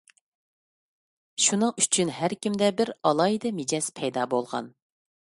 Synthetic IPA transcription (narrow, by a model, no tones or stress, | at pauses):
ʃunɨŋyt͡ʃʰynhæɾkʲimd̪ɛbɪɾɑlˠɑːid̪ɛmed͡ʒɛspʰɛjd̪ɑːbolˠʁɑ̰n